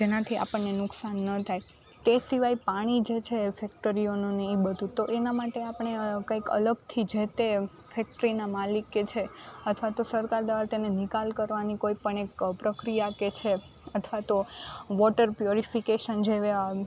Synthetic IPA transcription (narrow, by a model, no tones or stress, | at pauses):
d͡ʒenat̪ʰia̰pəɳːenʊksanːət̪ʰaj | t̪esiʋajpaɽ̃id͡ʒet͡ʃʰefʰɛk̚ʈəɾionũnəĩbəd̪ʱũt̪oʔenamaʈeapɳ̃ekaikə̰ləɡt̪ʰid͡ʒet̪e | fʰɛk̚ʈəɾinamalikːet͡ʃʰeət̪ʰʋat̪osəɾkaɾd̪əʋaɾt̪enenikalkəɾʋanikoipəɳekpɾəkɾijaket͡ʃʰe | ət̪ʰʋat̪oʋɔʈəɾpjuɾifikeʃənd͡ʒeʋe